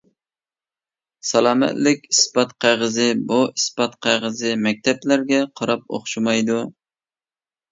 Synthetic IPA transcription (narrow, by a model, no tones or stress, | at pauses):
sɑlˠɑːmɛ̰t̪lɪkʲispɑt̪qʰæʁəzɪbuispɑt̪̚qʰæʁəzɪmɛk̚ʲt̪ʰɛplæɾɡʲɛqʰɑɾɑp̚o̰χʃumɑjd̪u